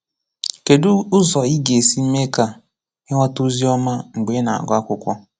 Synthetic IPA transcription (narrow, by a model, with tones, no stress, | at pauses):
ke˨du˦ʊ˦zɔ˨i˦ɡe˨si˦m̩˦me˦ka˨ | ɪ˦ŋʷa˦tu˦zi˦ɔ˦ma˦ŋ͡m̩˨ɡ͡be˨˦na̰˨a̰˨ɡʷa˦kʷʊ˦kʷɔ˦